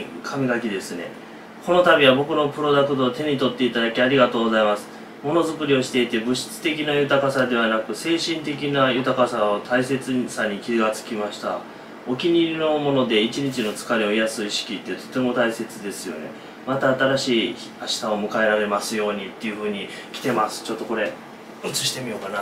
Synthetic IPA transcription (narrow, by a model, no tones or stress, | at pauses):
kʰamʲiɡakʲid̪e̞sɨne̞̰ | kʰo̞no̞t̪amʲiβabo̞kɯ̟no̞pɯ̟ɾo̞d̪akɯ̟̥t̪o̞t̪e̞ɲ̟it̪o̞t̪ːe̞it̪ad̪akʲiaɾʲiɡat̪o̞ːɡozaimasɨ̥ | mo̞no̞zɨkɯ̟ɾʲio̞ɕi̥t̪e̞it̪e̞bɯ̟ɕi̥t͡sɨ̥t̪e̞k̬ʲinajɯ̟t̪akasad̪e̞β̞anakɯ̟se̞ːɕĩnt̪e̞k̬ʲinajɯt̪akasaot̪ʰaise̞t͡sɨsaɲ̟ikʲiɡat͡sɨ̥kʲimaɕi̥t̪a̰ | o̞kʲiɲ̟ino̞mo̞no̞d̪e̞it͡ɕiɲ̟it͡ɕino̞t͡sɨ̥kaɾʲio̞ijasɨiɕi̥kʲit̪ːet̪o̞̥t̪e̞mo̞t̪aise̞t͡sɨd̪e̞sɨjo̞̰ne̞̰ | mat̪aːt̪aɾaɕiː | aɕi̥sao̞mɯ̟kae̞ɾaɾe̞masɨjo̞ːɲ̟it̪ːe̞jɯ̟ɸɯ̟ːɲ̟ikʲi̥t̪e̞masɨ̥t͡ɕo̞t̪ːo̞ko̞ɾe̞ | ɯt͡sɨɕi̥t̪e̞mʲijo̞kana